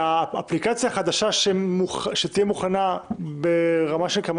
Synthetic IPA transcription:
aːplikat͡sjaχad̪aʃaʃemuχʃet̪ijemuχanabeʁamaʃelkam

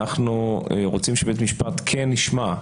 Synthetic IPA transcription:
aχnueʁot͡simʃebet̪miʃpat̪kʰenːiʃma

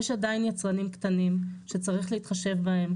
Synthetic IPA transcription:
jeʃadainjat͡sʁanimkt̪animʃe̞t͡saʁiχleit̪χaʃe̞vbahe̞m

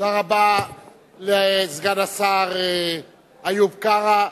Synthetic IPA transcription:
aʁaba | lezɡadasaʁe | ajubkaʁa

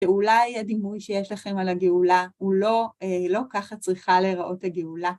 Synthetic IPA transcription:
ʃeulajadimujʃejeʃlaχe̞malaɡeulaulo̞elo̞kaχat͡sʁiχaleʁaʔo̞thaɡeula

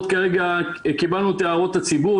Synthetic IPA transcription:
t̪kaʁeɡa | kibalnut̪eaʁo̞t̪at͡sibu

